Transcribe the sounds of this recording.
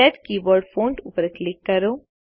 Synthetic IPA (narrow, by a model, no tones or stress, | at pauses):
ɛʈkiːbɔːɾɖfʰoːɳʈupəɾklɪkːɐɾo